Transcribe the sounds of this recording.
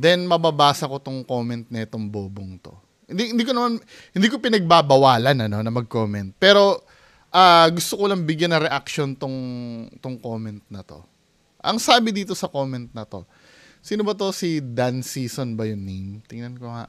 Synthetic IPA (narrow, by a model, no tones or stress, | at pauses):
d̪ɛnmɐbabaːsɐko̞t̪ʊŋko̞ːmɛnt̪̚nɛt̪oŋboːboŋt̪o̞̰ | hɪnd̪ihɪnd̪iːk̬onɐman | hɪnd̪iːk̬opɪnɐɡ̚babɐwaːlɐnɐno̞nɐmɐɡ̚ko̞mɛnt̪̚pɛːɾo̞ | ʔaːɡʊst̪okolɐŋbɪɡjanːɐɾɛʔakʃo̞nt̪ʊŋt̪ʊŋko̞ːmɛnt̪̚nɐt̪o̞̰ | ʔɐŋsaːbɪd̪iːt̪o̞sɐko̞ːmɛnt̪̚nɐt̪o̞ | siːnobɐt̪o̞sid̪ansiːso̞nbɐjʊnːimt̪ɪŋnɐnkoŋa̰ʔ